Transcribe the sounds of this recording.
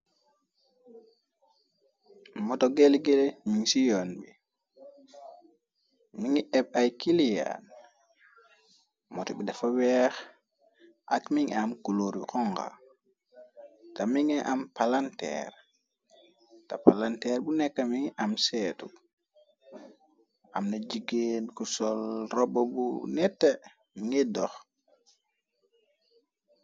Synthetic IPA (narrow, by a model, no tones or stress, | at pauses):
mɔtɔɡelɡelmiŋsijɔnbi | miŋiʔɛɓ̚ajkilija̰n | mɔtɔbidafawɛx | ʔakmiŋamkuloɾikɔŋɡa̰ | tamiŋɛʔampalantɛ̰ɾ | tapalantɛːɾbunɛkːamiŋʔamsɛːtu | ʔamnad͡ʒiɡeːnkusɔlrɔbobṵnɛtːe | miŋɛdɔx